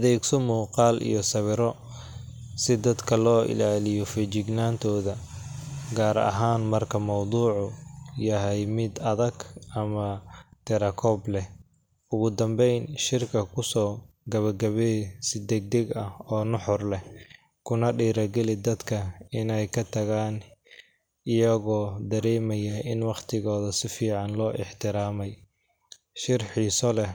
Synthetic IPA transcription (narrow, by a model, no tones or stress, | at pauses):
ɐðɛːɡsɔmuːqɑːlʔḭjɔsɐβɪɾɔ | sɪd̪ɐd̪kʰɐlɔːʔɪ̰laːlɪjɔfɪt͡ʃɪɡnaːnt̪ʰɔːðɐ | ɡaːɾɐ̰ɦaːnmɐrkʰɐmɑwd̪uːʕʊjɐɦɛjmɪd̪ɐðɐɡʔɐmɐt̪ʰɛɾɐkʰɔːblɛh | ʊɣʊd̪ɐmbɛjnʃɪrkʰɐkʰʊsɔːɡɐβɐɡɐβɛsɪd̪ɛɡ̚d̪ɛɡɐhɔːnʊħʊrlɛ | kʰʊnɐɖiːɾɐɡɛlɪd̪ɐd̪kʰɐɪnɛjkʰɐt̪ʰɐɣaːn | ɪjɐɣɔːd̪ɐɾɛːmɐjɐʔɪnwɑχt̪ʰɪɣɔːðɐsɪfiːʕɑnlɔːʔɪħt̪ʰɪɾaːmɛj | ʃɪrħiːsɔlɛ